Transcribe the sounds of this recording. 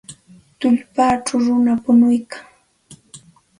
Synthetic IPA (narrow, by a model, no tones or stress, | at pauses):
t̪ʊʎpaːʈ͡ʂawɾʊnapʊnʊjkaŋ